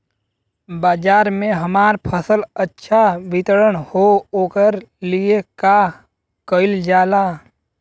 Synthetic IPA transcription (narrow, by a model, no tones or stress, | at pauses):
baːd͡ʒaːɾmẽɦəmaːɾpʰəsələtːʃʰaʋɪt̪ɾəɽ̃hooːkəɾlieka | kəɪld͡ʒaːlaː